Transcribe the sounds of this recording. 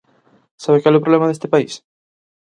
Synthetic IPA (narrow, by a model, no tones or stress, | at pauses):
saβekalɛowpɾolemaðest̪ɪpais